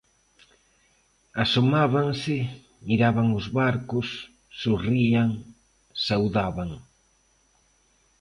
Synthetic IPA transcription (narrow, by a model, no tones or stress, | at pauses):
asomaβaŋsɪ | miɾaβaŋʊzβaɾkʊsː | uriaŋ | sawðaβaŋ